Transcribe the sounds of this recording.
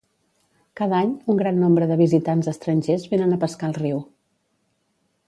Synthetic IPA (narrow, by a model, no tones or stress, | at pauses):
kaðaɲuŋɡɾanːombɾəðəβizit̪anzəst̪ɾəɲʲʒezβenənəpəskalˠriw